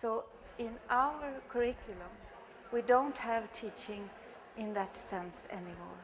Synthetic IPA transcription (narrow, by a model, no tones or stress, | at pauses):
soʊ | ɪ̃nʔaʊə˞kʰɔɹɪkʰjʊlə̃m | widõʊ̃nthævtʰit͡ʃɪ̃ŋ | ʔɪ̃nðətsɛ̃nsɛ̰nɪmɔ̰ːɹ